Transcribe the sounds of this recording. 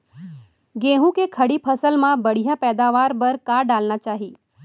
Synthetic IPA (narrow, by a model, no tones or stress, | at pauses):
ɡẽːɦũkekʰəɽipʰəsəlmãbəɽ̤ijapɛːd̪aːʋaːɾbəɾkaːɖaːlnat͡ʃaːɦiː